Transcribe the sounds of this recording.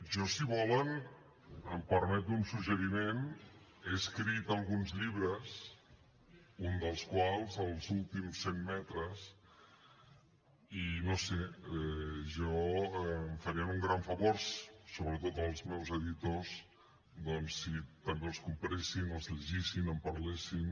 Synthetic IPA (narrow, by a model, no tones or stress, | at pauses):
ʒɔsiβɔlən | əmpəɾmɛt̪unsuʒəɾimeneskɾit̪əlˠɣunzʎiβɾəs | und̪əlˠskwalˠzəlˠzulˠt̪imsemːɛt̪ɾəs | inoseɛʒɔɛmfəɾiənuŋɡɾaɱfəβoɾssoβɾət̪ot̪əlˠzmɛwzəðit̪oz | d̪ɔnsːit̪əmbeəlˠskumpɾesinəlˠzʎəʒisinəmpəɾlesin